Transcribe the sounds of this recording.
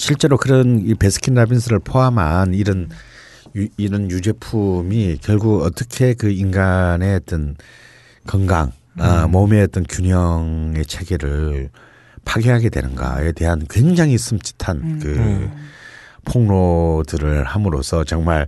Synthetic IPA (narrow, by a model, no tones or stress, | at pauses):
ɕʰiɭt͡ɕ͈e̞ɾokɯɾʌnipe̞sʰɯ̥kʰinɾabins̬ʰɯɾɯɭpʰoɦamaniɾʌn | iɾʌnjud͡ʑe̞pʰumikjʌɭɡuɡʌt͈ʌkʰe̞kɯinɡane̞t͈ʌn | kʌŋɡa̰ŋ | amomet͈ʌnkjuɲjʌŋe̞t͡ɕʰeɡeɾɯɭ | pʰaɡeɦaɡe̞dwe̞̰nɯnɡa̰e̞te̞ɦankwe̞ŋd͡ʑaŋis͈ʰɯmt͡ɕ͈ʰi̥tʰankɯ | pʰoŋnodɯɾɯɭhamɯɾo̰sʰʌt͡ɕʌŋmaɭ